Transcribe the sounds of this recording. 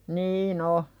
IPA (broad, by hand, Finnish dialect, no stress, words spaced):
niːn o